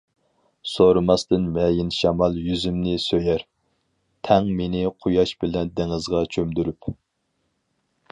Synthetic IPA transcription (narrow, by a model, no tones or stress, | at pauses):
soɾɨmɑst̪ɨnmɛjɪnʃɑmɑlˠjyzymnɪsøjæɾ | t̪ʰɛŋmenɪqʰojɑʃbɪlɛnd̪ɪŋɨzʁɑt͡ʃʰømd̪yɾyp